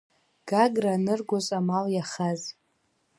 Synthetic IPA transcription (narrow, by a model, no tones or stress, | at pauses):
ɡ̥aɡranɨrɡʷozʼamaljaχaz